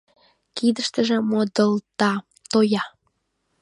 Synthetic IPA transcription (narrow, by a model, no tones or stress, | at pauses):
kid̪əʃt̪əʒĕmod̪əlt̪ɑ | t̪ojɑ